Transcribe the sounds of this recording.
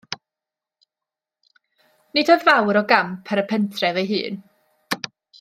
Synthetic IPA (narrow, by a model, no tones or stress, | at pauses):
nɪdɔðvawɾɔɡampʰɛɾəpʰɛntʰrɛvejɦɨ̰ːn